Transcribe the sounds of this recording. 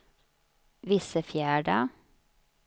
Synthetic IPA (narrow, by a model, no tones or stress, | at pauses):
ʋɪsəfjæːɖɑː